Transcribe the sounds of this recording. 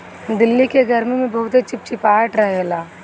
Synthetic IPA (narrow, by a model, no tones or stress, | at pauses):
d̪ɪlːikeɡʱɐɾmemẽbɐɦʊt̪et͡ʃɪp̚t͡ʃipaːʈɾɐɦelaː